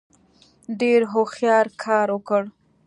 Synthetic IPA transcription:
ɖeɾɦoxjɑɾkʰɑɾwəkəɽ

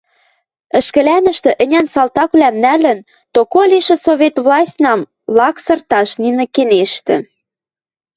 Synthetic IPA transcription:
ə̆ʃkə̆lænə̆ʃt̪ə̆ʔə̆nʲænsɑlt̪ɑklæmnælə̆n | t̪okolʲiʃĕsoβet̪βlɑsʲtʲnɑm | lɑksɤ̆rt̪ɑʃninɤ̆keneʃt̪ɘ̆

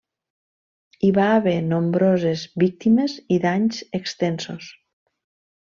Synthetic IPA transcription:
iβaːβ̞enombɾozezβik̚t̪imeziðaɲzekst̪ensos

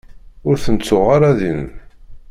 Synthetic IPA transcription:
ʊɾθənt͡sːʊʁaɾaðin

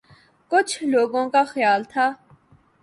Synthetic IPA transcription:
kʊt͡ʃʰloːɡõːkaxjaːlt̪ʰaː

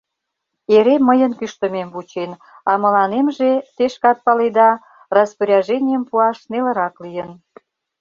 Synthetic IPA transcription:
eɾemːəjənkyʃt̪ə̆memvut͡ɕen | ɑmə̆lɑnemʒet̪eʃkɑt̪̚pɑled̪ɑ | rɑspəɾʲɑʒenʲijəmpuɑʃnelə̆ɾɑklijən

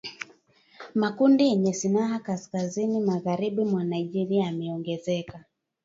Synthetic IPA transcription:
makundijɛɲɛsinaɦakaskazinimaɣaɾiɓumwanaiʄɛɾiaamɛɔŋɡɛzɛka

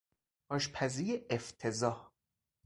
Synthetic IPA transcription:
ɒːʃpʰæzijeʔeft̪ʰezɒːh

